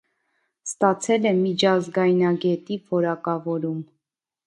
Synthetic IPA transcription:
st̪ɑt͡sʰɛlɛmit͡ʃʰɑzɡɑjnɑɡɛt̪ivɔɾɑkɑvɔɾum

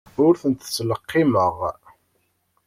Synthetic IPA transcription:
ʊɾθənt̪ət͡sːləqːɪməʁ

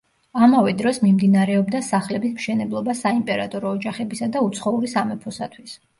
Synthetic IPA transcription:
amavɛd̪ɾɔsmimd̪inaɾɛɔbd̪asaχlɛbismʃɛnɛblˠɔbasaimpʼɛɾat̪ʼɔɾɔːd͡ʒaχɛbisad̪aut̪sʰχɔuɾisamɛpʰɔsat̪ʰwis

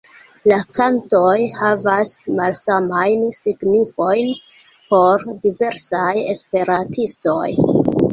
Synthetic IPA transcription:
lakanto̞jhavasmalsamajnsiɡnifo̞jn | po̞ɾdive̞ɾsajespe̞ɾantʰisto̞̰j

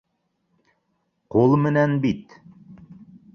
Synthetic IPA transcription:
qulˠmɘ̆nænbit̪

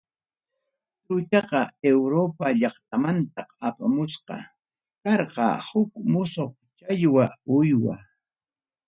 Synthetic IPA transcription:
tʊt͡ʃɑqɑewɾopaʎɑχt̪̚amant̪ɑqapamʊsqɑ̰ | kɑɾqɑ̰hʊkmʊsoχ | t͡ʃaʎwaʊjwa̰

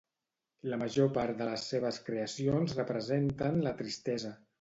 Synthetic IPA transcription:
ləməʒopaɾt̪d̪ələsːeβ̞əskɾeəsionzrəpɾəzent̪ənlət̪ɾist̪ɛzə

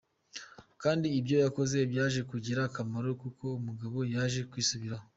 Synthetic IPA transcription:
kaːndiːbjo̞jako̞ze̞bjaːʒe̞kuɟiɾakamaɾo̞kuko̞umuɡaβo̞jaʒe̞kwiːsuβiɾaho

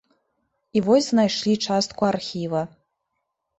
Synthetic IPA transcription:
ivɔzʲznajʂlʲit͡ʂast̪̚kuarxʲivɐ

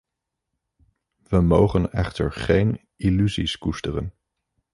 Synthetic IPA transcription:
ʋəmowχənɛ̰χtə̰ɹχejn | ilyziskustərə̰n

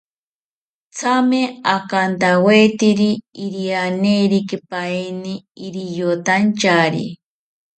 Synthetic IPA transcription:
t͡sʰameakant̪aweit̪iɾiiɾianeɾikipainiːɾijot̪ant͡ʃaɾḭ

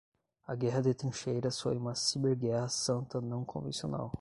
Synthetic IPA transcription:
ɐɡɛɦɐd̪et̪ɾĩʃejɾɐsfojũmɐsibeɾɡɛhɐsɐ̃nt̪ɐnɐ̃w̃kʰõvḛ̃siona̰w

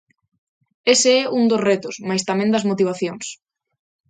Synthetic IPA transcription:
eseɛuŋd̪osret̪ʊsmajst̪amɛ̃nd̪ɐzmot̪̬iβaθjoŋs

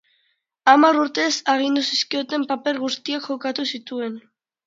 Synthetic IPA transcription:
amaɾuɾt̪e̞saɣ̞ind̪usiskio̞t̪e̞mpape̞ɾɣust̪iakxo̞kat̪usit̪ue̞n

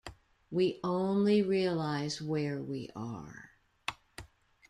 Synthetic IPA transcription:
wiʔõʊ̃nliɹiəlaɪzwɛ˞wḭʔə̰˞

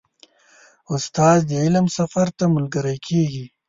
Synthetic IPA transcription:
ʊst̪aːzd̪əɪləmsɐfaɾt̪amʊlɡəɾajkʰeːɡi

